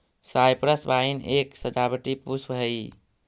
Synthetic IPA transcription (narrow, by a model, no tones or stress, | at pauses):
sajpɾəsbaineksəd͡ʒabəʈipusbɦəi